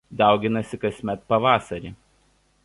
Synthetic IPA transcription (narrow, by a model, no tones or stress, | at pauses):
d̪ɑˑʊɡʲɪnɐsʲɪkɐsʲmʲɛt̪pɐʋɑːsɐɾʲiː